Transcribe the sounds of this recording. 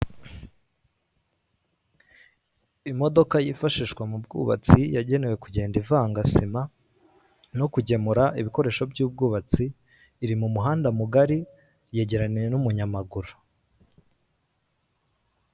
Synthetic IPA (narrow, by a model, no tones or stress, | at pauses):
imo̞do̞kajifaʃiːʃkwamubɡṵβa̰t͡sijaɟe̞ne̞we̞kuɟe̞ːndivaːŋɡasima | no̞kuɟe̞muɾaʔiβiko̞ɾe̞ːʃo̞bɟuːb̚ɡuːβat͡siː | ɾimumuɦaːndamuɡaɾi | je̞ːɟe̞ɾanije̞numuɲamaɡuɾu